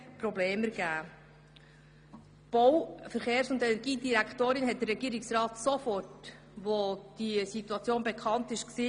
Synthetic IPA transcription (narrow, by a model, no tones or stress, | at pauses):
pɾɔbleːməɾɡ̥æː | b̥owfəɾχeːɾsʊndɛnɛɾɡiːdiɾæktoːɾinɦɛt̚d̥əɾrːɛɡ̥iːəɾɪksɾɑːtsofɔrt | ʋod̥isituɑt͡sjoːnbeɛkʰɑntɪʃksiː